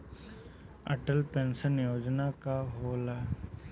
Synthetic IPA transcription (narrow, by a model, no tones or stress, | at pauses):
ɐ̰ʈəlpẽnsənjoːd͡ʒnakaɦoːla